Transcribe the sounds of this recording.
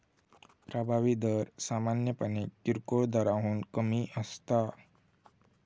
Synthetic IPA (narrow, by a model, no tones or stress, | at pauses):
pɾabʱaʋid̪əɾsamanjəpənekːiɾkoɭd̪aɾaɦuːnkəmiʔəst̪a